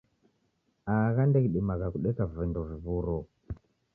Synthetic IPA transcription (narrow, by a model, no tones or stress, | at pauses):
akandekiɗimakakuɗekavendoviβuɾɔ